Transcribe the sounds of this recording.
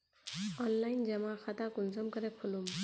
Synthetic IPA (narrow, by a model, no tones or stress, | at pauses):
ɔnlajnd͡ʒɛmaxʰat̪akunsɔmkʌɾɛpʰɔlum